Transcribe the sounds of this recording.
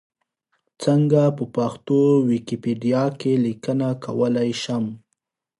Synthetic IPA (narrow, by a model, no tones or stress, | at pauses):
t͡səŋɡapəpaxt̪owikipeɖijɑkelikənakʰa̰wəlajʃam